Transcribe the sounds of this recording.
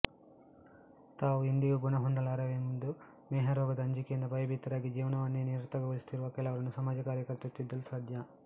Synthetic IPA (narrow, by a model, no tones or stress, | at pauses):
t̪aːʋuind̪iɡuɡunɐɦond̪ɐlaːɾɐʋemund̪u | mɛːɦɐɾɔːɡɐd̪ɐːɲd͡ʒikejind̪ɐbɐjɐbit̪ːɐɾaːɡid͡ʒiːʋɐnɐʋɐnːeniɾɾt̪ɐɡɐɡoɭisu̥t̪iɾuʋɐkɛlɐʋɐɾɐnːusɐmaːd͡ʒɐkaːɾjɐkɐɾt̪ɐut̪ːid̪ːɐlusaːd̪ʱjɐ